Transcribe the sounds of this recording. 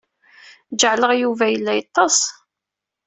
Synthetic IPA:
d͡ʒəʕləʁjuvæjəlːæjɑt̪ˤːɑs

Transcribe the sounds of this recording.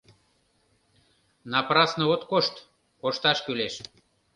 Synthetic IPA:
nɑprɑsnəot̪koʃt̪ | koʃt̪ɑʃkyleʃ

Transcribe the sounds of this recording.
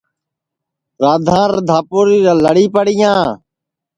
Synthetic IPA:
ɾaːd̪ʱãːɾd̪ʱaːpuːɾiːɾãːləɽiːpəɽɪjãː

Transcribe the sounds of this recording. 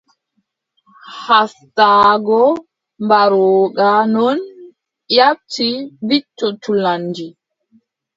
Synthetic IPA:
hastaːɡɔ | mbaɾɔːɡanɔn | jap̚tibitːɔtʰulanːd͡ʒi

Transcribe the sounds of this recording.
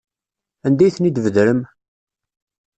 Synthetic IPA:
ænd̪æjθənid̪vəðɾəm

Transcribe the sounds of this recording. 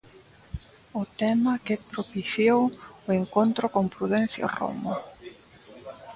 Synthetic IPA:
ʊt̪ɛmɐkepɾopiθjowʊeŋkont̪ɾʊkoŋpɾuðɛn̟θja̰ro̰mo

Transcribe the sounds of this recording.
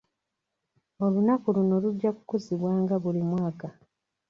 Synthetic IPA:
o̞lunakuluno̞luɟːaku̥kuziβwaːŋɡaβulimwaːka

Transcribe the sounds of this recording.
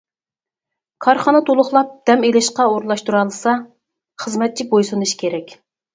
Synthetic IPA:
kʰɑɾχɑnɨt̪ʰolˠʊχlˠɑp̚d̪̥ɛmelɪʃqɑoɾlˠɑʃt̪uɾɑlˠɨsɑ | χəzmɛt̪̚t͡ʃʰibojsɨnuʃkʲʰeɾɛkʲ

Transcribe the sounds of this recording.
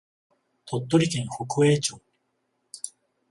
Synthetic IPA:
t̪ʰot̪ːoɾʲik̪ẽŋhokɯeːt͡ɕoː

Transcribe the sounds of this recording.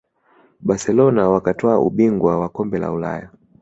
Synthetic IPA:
ɓasɛlɔnawakatʰɔaʔuɓiŋɡwawakɔmbɛla̰ula̰ja

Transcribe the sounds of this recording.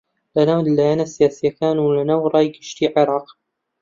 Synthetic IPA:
lanawd̪lːajaːnasijaːsijakaːnulanawɾˤɑːjɡɪʃt̪iːʕɪɾˤɑːq

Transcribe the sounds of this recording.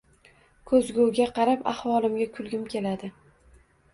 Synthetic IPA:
kʰɵzɡʲowɡʲaqʰɑɾapa̰hwɒlˠɪmɡʲakʰʊlɡʲɪmkʲʰe̞lad̪ɪ

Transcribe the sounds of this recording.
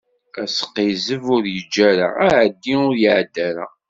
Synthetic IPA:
æsə̥qːizəvʊɾjəd͡ʒːæɾa̰æʕəd̪ːiʊɾjəʕd̪ːæɾa̰

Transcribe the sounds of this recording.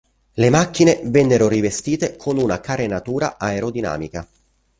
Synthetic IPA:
lemakːinevɛnːeɾorivest̪iːt̪ekʰonunakaɾenat̪uːɾaʔaeɾod̪ina̰ːmika

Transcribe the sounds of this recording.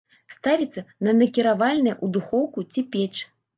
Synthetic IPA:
st̪avʲit̪sːɐnɐnɐkʲiɾavalʲnɐjʔud̪uxɔwkut͡sʲipʲɛt͡ʂ

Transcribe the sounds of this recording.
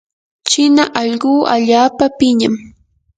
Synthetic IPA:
t͡ʃɪnaʔɑʎɢuːʔaʎaːpapɪɲam

